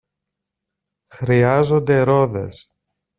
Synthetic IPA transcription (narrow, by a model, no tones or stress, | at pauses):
xɾiɐzo̞nd̪e̞ɾo̞ðe̞̰s